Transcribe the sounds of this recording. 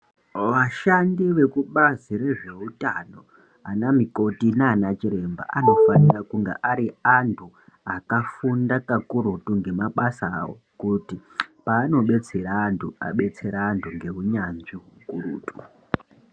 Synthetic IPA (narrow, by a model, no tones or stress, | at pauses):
ʋaʃandiʋe̞kuɓaziɾe̞ʐe̞utano̞ | anamiko̞tinaːnat͡ʃiɾe̞mba̰ʔano̞fanirakuŋɡḛʔaɾiantʰu | akafundakakuɾutuŋɡe̞maɓasa̰ːwo̰ | kutipaːno̞ɓe̞t͡se̞ɾaːntʰua̰ɓe̞t͡se̞ɾaːntʰuŋɡe̞ɦuɲanʐiɦukuɾṵːtu̥